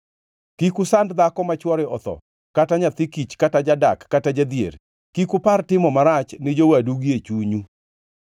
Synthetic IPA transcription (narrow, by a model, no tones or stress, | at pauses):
kikusandd̪akɔmat͡ʃwɔɾɛɔt̪ɔ̰ | kataɲat̪ikit͡ʃkatad͡ʒadakːatad͡ʒad̪jḛɾ | kikupartɪmɔmaɾat͡ʃnɪd͡ʒowaduɡiet͡ʃuɲu